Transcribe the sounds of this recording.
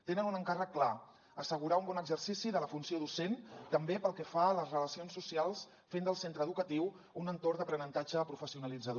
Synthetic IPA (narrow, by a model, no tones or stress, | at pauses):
t̪enənunəŋkarəkːla | əsəɣuɾaumbɔnəɡzərsisiðələfunsioðusent̪əmbepəlˠkɛfaləzrələsionsːusialˠs | fend̪əlˠsent̪ɾəðukət̪iw | unənt̪ord̪əpɾənənt̪ad͡ʒəːpɾufəsiunəlid͡zəð